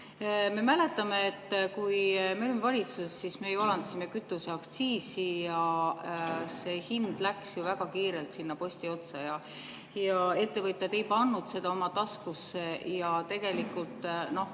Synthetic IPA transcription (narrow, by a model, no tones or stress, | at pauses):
me̞mæle̞t̪ːˑɑme̞ːt̪ːˑkujmeolemevɑlʲit̪susesːismejolɑnt̪simekyt̪ːˑuseɑkt̪siːsijɑ | se̞ːhind̪̥læksjuvæɡ̥ɑkiːɾe̞lt̪sinːɑpo̞st̪io̞t̪sɑjɑ | jɑe̞t̪ːe̞vɤt̪ʲˑjɑd̪e̞jpɑnːud̪̥se̞d̪̥ɑo̞mɑt̪ɑskusːejɑt̪e̞ɡ̥e̞likːult̪ˑno̞h